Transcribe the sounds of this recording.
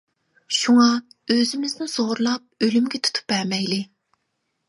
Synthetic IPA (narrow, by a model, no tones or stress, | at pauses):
ʃuŋɑøzɪmɪznɪz̥oɾlˠɑp̚ølymɡʲɛt̪ʰu̥t̪ʰu̥p̚bɛɾmɛjlɪ